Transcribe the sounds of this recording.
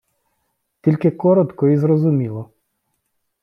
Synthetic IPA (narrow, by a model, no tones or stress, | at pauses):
t̪ʲilʲkɪkɔɾɔt̪kɔizɾɔzʊmʲilˠɔ